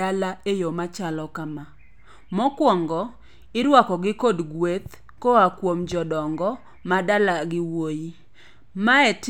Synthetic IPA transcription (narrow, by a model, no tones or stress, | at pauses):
alaejomat͡ʃalɔkama | mɔkwɔŋɡɔ | ɪɾwakɔɡɪkodɡwet̪ | koakwomd͡ʒɔdɔŋɡɔ | madalaɡɪwoji | maɛt